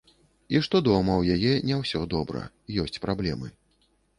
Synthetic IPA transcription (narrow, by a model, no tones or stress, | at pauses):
iʂt̪ɔd̪ɔmɐwjajɛnʲɛwsʲɔd̪ɔbɾɐ̰ | jɔsʲt͡sʲpɾablʲɛmɨ